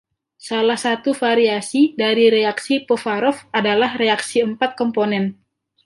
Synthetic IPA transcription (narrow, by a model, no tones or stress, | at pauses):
salahsat̪ufaɾiasidaɾiɾeaksipofaɾɔfadalahɾeaksiəmpat̪̚kɔmponɛn